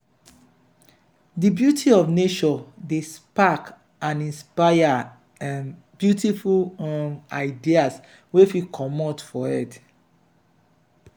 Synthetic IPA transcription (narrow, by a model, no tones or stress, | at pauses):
dibjutʰiɔfnet͡ʃɔdespak | ãnĩnspaja | bjutʰiful | aɪdias | wefikʰɔmɔtfɔɛ̰t